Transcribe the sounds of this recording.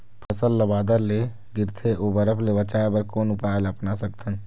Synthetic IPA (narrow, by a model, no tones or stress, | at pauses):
pʰɐsəlːəbaːd̪əɾle | ɡɪɾt̪ʰeʔobəɾəpʰlebɐt͡ʃaːebəɾkoːnʊpaːjəlɐpnasəkt̪ʰən